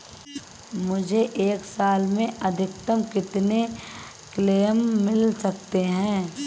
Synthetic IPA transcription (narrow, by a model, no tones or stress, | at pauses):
mʊd͡ʒʱeʔeːksaːlmẽʔɐd̪ʱɪk̚t̪əmkɪt̪ne | kleːmːɪlsɐk̚t̪eɦɛ̃ː